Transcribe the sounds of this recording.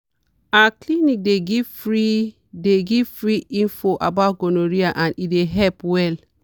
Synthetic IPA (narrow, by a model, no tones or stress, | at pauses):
aklinik̚deɡifɹi | deɡifɹiʔĩnfɔʔabaʊt̚ɡonoɹiaʔãnideɦɛlpwɛl